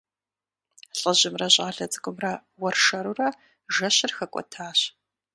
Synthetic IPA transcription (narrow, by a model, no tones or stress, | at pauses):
ɬʼəʑɪmrɐʑʼaːɮɐt͡sʼɨkʷʼʊmrɐwɐrʂɐɾurɐ | ʒɐɕɪrxɐkʷʼɔ̰tʰaːɕ